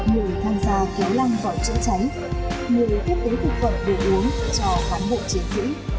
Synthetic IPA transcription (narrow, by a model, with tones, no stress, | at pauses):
ŋɨ˨˩əjt̪ʰaː˧mzaː˧˩ki˨˦wla˧ŋvaː˨˩wt͡ɕɨ̰˧˥ət͡ɕa˨˦j | ŋɨ˨˩əjt̪ʰi˦˥p̚t̪e˨˦jt̪ʰɨ˨˩k̚fə̰˧˨nɗe˨˩ʔu˨˦ən˧˨t͡ɕɔ˧kaː˨˦nɓo̰˧˨t͡ɕi˨˦ŋt̪ʰḭ˧˥